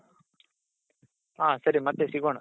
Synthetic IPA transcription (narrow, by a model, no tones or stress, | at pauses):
aːsɐɾimɐt̪ːesiɣoːɳu